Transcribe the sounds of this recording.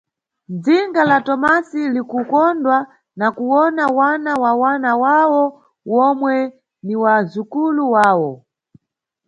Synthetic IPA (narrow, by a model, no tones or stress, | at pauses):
d͡ziŋɡalatɔmasilikukɔndwa | nakuwɔnawanawawanawawɔ | wɔmwɛ | niwazukuluwaːwɔ